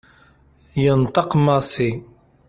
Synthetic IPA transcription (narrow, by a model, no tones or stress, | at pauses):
jənt̪ˤəqmɑsi